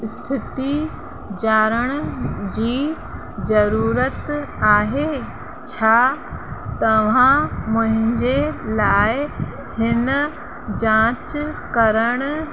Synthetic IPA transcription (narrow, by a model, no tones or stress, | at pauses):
st̪ʰit̪i | d͡ʑaːɾəɽ̃d͡ʑiː | d͡ʑəɾuːɾət̪aːɦe | t͡ɕʰa | t̪ɐʋ̤ãmʊ̃ɦɪ̃ɲd͡ʑelaːj | hɪnə | d͡ʑãt͡ɕkəɾəɽ̃